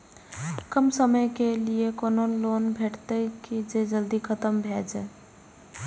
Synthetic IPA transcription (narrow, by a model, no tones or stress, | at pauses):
kəmsəməjkeliekonolonbʱeʈt̪əkid͡ʒed͡ʒəld̪ikʰət̪əmbʱed͡ʒɛ